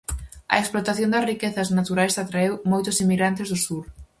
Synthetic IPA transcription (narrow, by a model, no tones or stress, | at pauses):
ɐ̰eksplot̪aθjond̪ɐsrikeθɐznat̪uɾajsat̪ɾaewmojt̪ʊsimiɣɾant̪ɪzðʊsuɾ